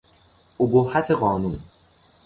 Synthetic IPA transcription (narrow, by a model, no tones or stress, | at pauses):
obohaseɣɔːnun